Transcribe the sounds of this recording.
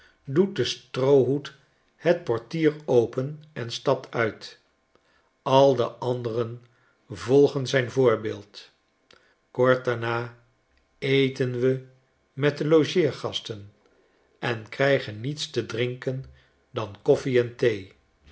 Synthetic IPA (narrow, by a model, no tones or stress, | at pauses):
dut̚dəstrowɦut | hət̚pɔɹtiːrowpənɛnstɑp̚tʰœɥt | ɑlˠdəʔɑndərən | vɔlˠχənzɛjnvʊːɹbeːlˠt | kɔɹt̚daɹnaː | ejtənʋə | mɛt̚dəloʒɪːɹχɑstən | ʔɛnkrɛjχənːitstədrɪŋkən | dɑnkɔfiɛntej